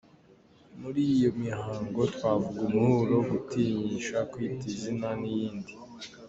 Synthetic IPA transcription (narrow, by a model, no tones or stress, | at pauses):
muɾijo̞mihaːŋɡo̞twaːvuɡumuhuɾo̞ɡutiɲiʃakwitizinanijiːndi